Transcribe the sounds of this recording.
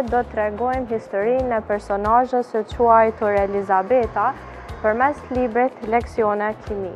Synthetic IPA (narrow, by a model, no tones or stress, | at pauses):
d̪ɔt̪ːɾɛɡɔjmɦist̪ɔɾinɛpɛɾsɔnaʒəsət͡ʃuajt̪uɾɛlizabɛt̪a | pəɾmɛslibɾit̪lɛksjɔnɛkʰimi